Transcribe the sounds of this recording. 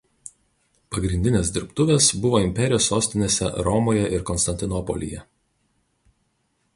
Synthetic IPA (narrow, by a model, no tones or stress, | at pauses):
pɐɡɾʲɪnʲd̪ʲɪnʲeːs̬d̪ʲɪɾpt̪ʊʋʲeːsbʊʋoːɪmʲpʲɛɾʲɪjoːsːoːsʲt̪ʲɪnʲeːsʲɛ̰ɾɔmoːjɛʔɪɾkɔnst̪ɐnʲt̪ʲɪnɔpɔ̰lʲɪ̰jɛ